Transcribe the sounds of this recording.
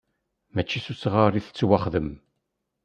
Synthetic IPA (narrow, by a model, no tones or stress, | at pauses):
mæt͡ʃːisusʁərˤiθə̥t͡sːwaχðəm